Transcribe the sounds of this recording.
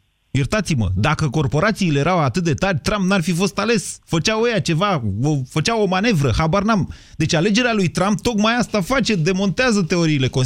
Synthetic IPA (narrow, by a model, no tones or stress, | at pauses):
jert̪at̪simə̰d̪akəko̞rpo̞ɾat̪siːle̞jeɾawat̪ɨt̪̚d̪e̞t̪arʲt̪ɾampnarfifo̞st̪ale̞sfət͡ʃawejat͡ʃe̞vaofət͡ʃawo̞mane̞vɾəhabarnam | d̪e̞t͡ʃʲale̞d͡ʒe̞ɾealujt̪ɾamp̚t̪o̞kmajast̪afat͡ʃe̞d̪e̞mo̞nt̪eazət̪e̞o̞ɾiːle̞ko